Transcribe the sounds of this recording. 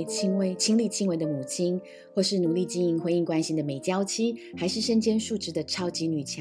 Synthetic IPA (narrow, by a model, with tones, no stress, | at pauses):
t͡ɕʰi˥ŋwe˧˩ɪt͡ɕʰi˥ŋli˥˩t͡ɕʰi˥ŋwe˧˥ɪd̪ə˧mu˨˩t͡ɕʰi˥n | xwɔ˥˧ʂɻ̩˥˩nu˨˩li˥˩t͡ɕi˥˧ni˧˥ŋxwe˧˥ɪi˥˩ŋkwa˥nɕi˧˥nd̪ə˨me˨˩ɪt͡ɕjɑ˥ʊt͡ɕʰi˥xa˧˥ɪʂɻ̩˥˩ʂə˥nt͡ɕjɛ˥nʂu˥˧ʈ͡ʂɻ̩˥d̪ə˨˩ʈ͡ʂʰɑ˥ʊt͡ɕi˧˥ny˨˩t͡ɕʰjɑ˧˦